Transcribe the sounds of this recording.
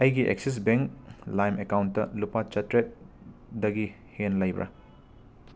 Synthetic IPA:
ɐjɡiʔḛk̚sis̬beŋklajmekawntːɐ̰lupat͡ʃɐtɾet̚ | dɐɡi | henlɐjbɾʔɐ̰

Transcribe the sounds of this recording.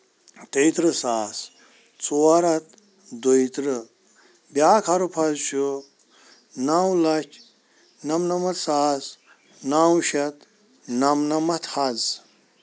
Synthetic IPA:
t̪ejt̪ɾɨsaːs | t͡suɐɾɐt̪ | d̪ojt̪ɾɨ | bʲjaːkʰɐɾupʰɐzʃu | naːwlɐt͡ʃ | nɐmnɐmɐt̪saːs | naːwʃɐt̪ | nɐmnɐmɐt̪hɐz

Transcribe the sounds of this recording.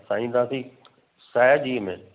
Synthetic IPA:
saːĩːnd̪aːsi | saːjad͡ʑiːmḛ̃

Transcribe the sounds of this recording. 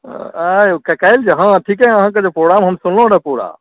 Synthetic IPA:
ajkekajld͡ʒeɦãʈʰikɛ̃əɦãk̬ed͡ʒepɾoɡɾamɦəmsunlõɾəpuɽa̰

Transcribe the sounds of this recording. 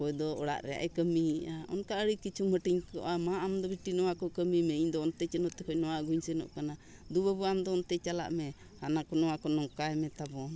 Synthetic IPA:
kɔjd̪ɔɔɽa̰ʔɾɛa̰ʔɛkəmiaɔ̰nkaəɽikit͡ʃʰuməʈiɲkɔ̰ʔamaʔamd̪ɔbiʈinɔwakɔkəmimɛiɲd̪ɔːnt̪ɛt͡ʃənɔʔt̪ɛkɔjnɔwaʔɡuɲsɛnɔ̰ʔkana | d̪ubabuamd̪ɔːnt̪ɛt͡ʃala̰ʔmɛ | hanakɔnɔwakɔnɔŋkajmɛt̪abɔn

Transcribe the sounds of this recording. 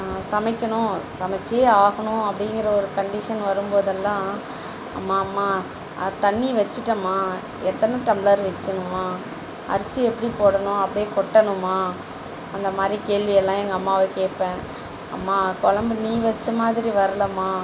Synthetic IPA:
sɐmɐɪkʲːɐɳʊ̃sɐmɐt͡ʃːijeːaːɣɐɳʊ̃ɐpːɐɽɪŋɡɪɾɐɔɾɯkɐɳɖɪʂɐnʋɐɾɯmboːðɐlːãː | ɐ̰mːaːmːaː | t̪ɐɳːiʋɛt͡ʃːɯʈːɐmːaː | ɛt̪ːɐnɯʈɛmbɭɐɾʋɛt͡ʃːɐnʊ̃mːaː | ɐ̰ɾɐsɯɛpːɐɽipoːɽɐɳʊ̃ɐpːɐɽɪjeːkɔʈːɐnʊ̃mːaː | ɐnd̪ɐmaːd̪ɾikeːɭʋɪjɛlːãːɛŋɡɐːmːaːʋɐkeːʈpẽː | ɐ̰mːaːkɔɭɐmbɯniːʋɛt͡ʃːɐmaːðɪɾiʋɐɾɐlɐmːaː

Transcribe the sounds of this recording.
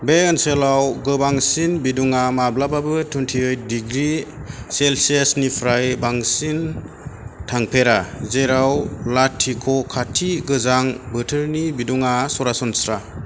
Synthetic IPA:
beɯnselawɡɯbaŋsinbiduŋamablababɯtʰuntʰiɯjt̚diɡɾiselsesnipʰɾajbaŋsin | tʰaŋpʰeɾazeɾawlatʰːikʰɔkʰatʰiɡɯzaŋbɯtʰɯɾnibiduŋasɔɾasɔnsɾa

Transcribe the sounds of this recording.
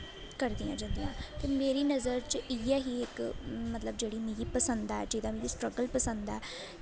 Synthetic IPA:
kəɾd̪ijã̰ːd͡ʒə̃nd̪ijãːt̪eːmeːɾiːnəzəɾt͡ʃiːɛːɦiːɪkmət̪ləb̚d͡ʒeːɽiːmiipəsənd̪aɛːd͡ʒɪd̪ãːmiːisʈɾəɡəlpəsə̃nd̪ɛː

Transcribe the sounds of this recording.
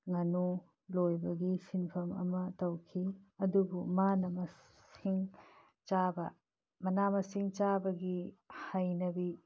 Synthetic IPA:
ŋɐnu | lojbɐɡisinpʰɐmɐ̰mɐtɐwkʰiɐdubumanɐmɐ | siŋ | t͡ʃabɐ | mɐnamɐsiŋt͡ʃabɐɡihajnɐbi

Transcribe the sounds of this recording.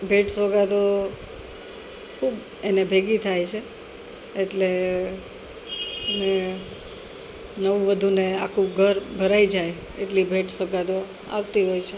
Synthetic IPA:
bʱeʈsoɡad̪o | kʰub | enebʱeɡit̪ʰajt͡ʃʰeː | ʈle | ne | nəʋũʋəd̪ʱuneakʰũɡʱəɾbʱəɾaid͡ʒaj | ḛʈlibʱeʈsəɡad̪o | a̰ʋt̪iɦojt͡ʃʰe

